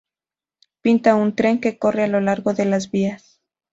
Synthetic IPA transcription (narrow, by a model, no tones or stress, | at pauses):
pint̪aunt̪ɾe̞ŋke̞ko̞re̞alo̞laɾɣo̞ðe̞lazβias